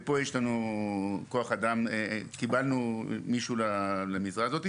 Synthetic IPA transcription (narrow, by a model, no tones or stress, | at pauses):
po̞jeʃlanu | ko̞aχad̪amekibalnumiʃulalemizʁazo̞t̪i